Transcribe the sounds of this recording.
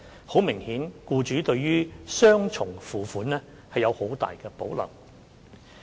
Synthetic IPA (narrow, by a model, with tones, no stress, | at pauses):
ho˨˥wmɪ˨˩ŋhiː˨˥nkuː˧t͡ʃyː˨˥t̪ɵ˧ɥjyː˥sœː˥ŋt͡sʰʊ˨˩ŋfuː˨fuː˨˥nɛː˥ | hɐ˨jːɐ˨˧who˨˥wt̪a̰ː˨jkɛː˧po̰˨˥wlɐ̰˨˩w